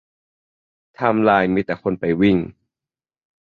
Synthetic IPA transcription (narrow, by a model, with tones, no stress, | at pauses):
t̪ʰa˧mlaː˧˩jmiː˧˥t̪ɛː˨˩kʰo˧˨npa˨˩jwi˧˩ŋ